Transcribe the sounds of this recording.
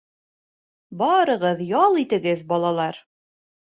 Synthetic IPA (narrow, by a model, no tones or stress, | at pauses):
bɑɾɤ̆ʁɤðjɑlˠit̪ɘ̆ɡɘðbɒlˠɑlˠɑɾ